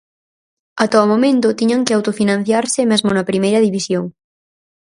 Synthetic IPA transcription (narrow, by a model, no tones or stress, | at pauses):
at̪ɔmomẽnt̪ʊt̪iɲaŋkɪawt̪ofinãn̟θjaɾsɪmezmʊnɐpɾimejɾɐðiβisjoŋ